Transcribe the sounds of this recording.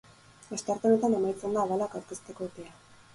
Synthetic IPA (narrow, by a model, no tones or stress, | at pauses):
est̪eaɾt̪eo̞ne̞t̪ane̞majt͡se̞nd̪aːβalakawɾkist̪e̞ko̞t̪ea